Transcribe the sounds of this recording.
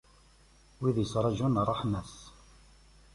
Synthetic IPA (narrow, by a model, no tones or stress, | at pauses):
wiðjəsɾˤɑʒunrˤːɑħmæs